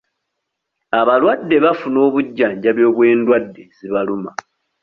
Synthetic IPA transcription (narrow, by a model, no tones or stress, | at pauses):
aβalwadːe̞βafuno̞ːβuɟːaːɲɟaβjo̞ːβwe̞ːndwadːe̞ziβaluma